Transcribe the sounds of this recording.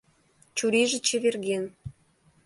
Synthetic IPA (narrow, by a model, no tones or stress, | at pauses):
t͡ɕuɾiʒə̆t͡ɕĕβerɣen